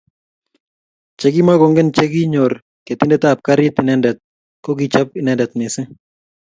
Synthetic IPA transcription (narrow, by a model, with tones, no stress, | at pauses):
t͡ʃɛ˨ɡi˦ma˦ɡɔ˨ŋɡɛ˦nt͡ʃɛ˦ɡɪ˦ɲɔ˨ɾ | ke˨t̪ɪ˦ndɛ˦t̪a˨p̚ka˦ɾɪ˦t̪ɪ˨nɛ˦ndɛ˨t̪̚ | kɔ˦ɡɪ˦t͡ʃa˦p̚ɪ˨nɛ˨ndɛ˨t̪mɪ˨sɪ˦